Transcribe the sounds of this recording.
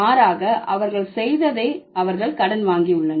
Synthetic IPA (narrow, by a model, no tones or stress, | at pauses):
aːɾaːɣɐʔɐʋɐɾɣɐɭsɛjðɐðeːʔɐʋɐɾɣɐɭkɐɽɐnʋaːŋɡiʊɭːɐn